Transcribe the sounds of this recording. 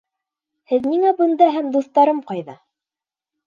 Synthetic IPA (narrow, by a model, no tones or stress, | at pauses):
hɘðniŋæbɤ̆nd̪ɑɦæmd̪uθt̪ɑɾɤmqɑjðɑ